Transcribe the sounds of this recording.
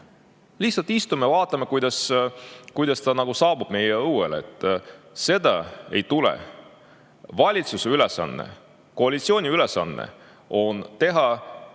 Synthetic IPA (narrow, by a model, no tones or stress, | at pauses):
lihsɑlt̪ːˑist̪umeɑvɑːt̪ˑːɑmekujd̪̥ɑs | kujd̪̥ɑst̪ɑnɑɡusɑːb̥ub̥me̞jeɤweleet̪ːˑse̞d̪ɑe̞̰jt̪ulḛ | vɑlʲit̪suseylesɑ̰nːḛ | ko̞ɑlʲit̪sioːnʲiylesɑ̰nːḛ | ʔo̞nt̪e̞ɦɑ